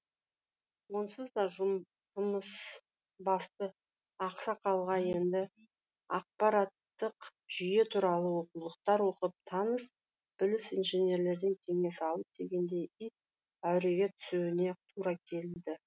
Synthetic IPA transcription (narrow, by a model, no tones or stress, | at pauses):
wo̞nsəzd̪ɑʒ | ʒʊməs | bɑst̪ə | ɑqsɑqʰɑlˠʁɑje̞nd̪ɪ | ɑq̚pɑɾat̪ːəqʒ̥ʏje̞t̪ʰuɾɑlˠəwo̞qulˠəq̚t̪ɑɾwo̞qəp̚t̪ʰɑnəs | b̥ɪlɪsijnʒenʲe̞ɾle̞ɾd̪ɪŋkʲʰe̞ŋe̞sɪɑlˠəp̚d̪̥e̞ɡʲe̞nd̪e̞jijt̪̚ | æwɾe̞ɡʲe̞t̪ʰʏ̥sewɪne̞t̪ʰuɾɑkʲʰe̞lɪnd̪ɪ